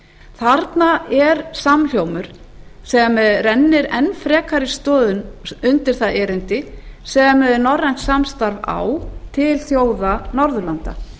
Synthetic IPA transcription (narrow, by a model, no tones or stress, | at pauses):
θaɾt̪naɛɾsaml̥jowmʏɾ̥ | sɛɣamːɛðrɛnːɪɾɛnːfɾɛːkʰaɾɪst̪ɔːðʏnʏnt̪ɪɾ̥θaðɛːɾɪnt̪ɪsɛɣamːɛðɪɾnɔrːajnt̪samst̪aɾva̰wt̪ʰɪlθjoːwðanɔɾðʏlant̪a̰